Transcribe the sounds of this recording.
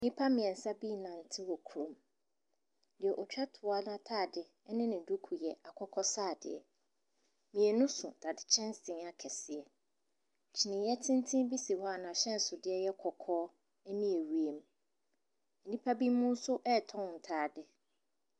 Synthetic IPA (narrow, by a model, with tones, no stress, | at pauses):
nĩ˦pʰa˦mɪ̃˨ɛ̃˨n̩˨sa˦bi˦nã˨n̩˨tʰɪ˦wɔ˨kʰu˨ɾõ˨m | dɪ˨ɛ˨ʔɔ˨t͡ɕᶣa˦tʰʊ˨a˦n˦a˦˨tʰaː˦˨dɪ˨ | ɛ˦nɪ̃˦nɪ̃˨du˦kʰu˨jɛ˨a˨kʰɔ˦kʰɔ˦saː˦˨dɪ̰˨ɛ˨ | mĩ˨ɛ˨nʊ̃˦sʊ̰˨d̥a˨dɪ˨t͡ɕʰɛ̃˦nsɪ̃˨ŋa˨kʰɛ˨sɪ˨ɛ˨ | t͡ɕʰi˨nɪ̃˨jɛ˦tʰɪ̃˦n˦tʰĩ˦bi˦si˨hɔ˦a˨nã˨ɕɛ̃˦n˨sʊ˨dɪ˦ɛ˦jɛ˦kʰɔ˨kʰɔː˦ | ɛ˦nĩ˦e˨ɥi˨e˨m˦ | n̩˨nĩ˦pʰa˦bi˦mʊ̃˦n̩˦sʊ˦ʔɛ˦˨tʰɔ̃˦n˨n̩˨tʰaː˨dɪ˨